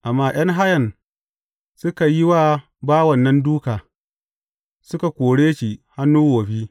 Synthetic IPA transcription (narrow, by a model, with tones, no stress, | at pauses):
ʔa˨mːaː˦j̰ɐ˦ŋɦa˦jɐ˨n | sʊ˦ka˨ji˦waː˦ | baː˦wɐ˨nːɐ˦nduː˦kaː˨ | sʊ˦ka˨kʷoː˨ɽeː˦ʃi˨ha˦nːuː˦woː˨ɸiː˦